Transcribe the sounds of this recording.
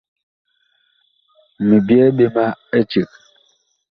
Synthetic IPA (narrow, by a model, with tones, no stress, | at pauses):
mi˨bjɛ˦be˦ma˦e˦t͡ʃi˨k̚